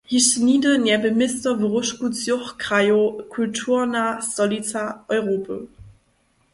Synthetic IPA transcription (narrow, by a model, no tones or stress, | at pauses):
hiʃniːdənɛɐbəmɪstɐvəʁʊʃkut͡sjʊχkʁ̥ajokʰʊltʰuːɐnasɔlit͡saʔɔʏʁoːpʰə